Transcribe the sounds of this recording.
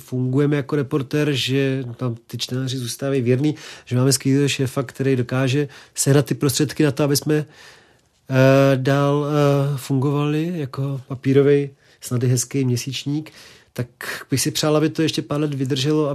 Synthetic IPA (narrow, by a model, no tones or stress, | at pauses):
fuŋɡujɛmɛjako̞ɾɛpo̞ɾt̪ɛːɾʒɛt̪amt̪ɪt͡ʃt̪ɛnaːrɪzuːst̪aːvajivjɛdniːʒɛmaːmɛskiːoʃɛːfakt̪ɛɾɛjdo̞kaːʒɛsɛɦnat̪ːɪpɾost̪r̥ɛt̪kɪnat̪oabɪsmɛ | daːlfuŋɡo̞valɪjakopapiːɾo̞vɛj | snadɪɦɛskɛjmɲɛsiːt͡ʃɲiːk | t̪akbɪxsɪpr̝̥aːlabɪt̪ojɛʃcɛpaːɾlɛt̪vɪd̪r̩ʒɛloa